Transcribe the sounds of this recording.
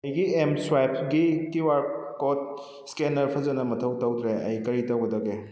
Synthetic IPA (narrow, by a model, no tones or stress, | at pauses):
ɐjɡiemswajp̚ʰɡikiwaɾkot̚ | skenɐɾpʰɐzɐnɐmɐtʰɐwtɐwt̪ɾeɐ̰jkɐɾitɐwɡɐdɐɡe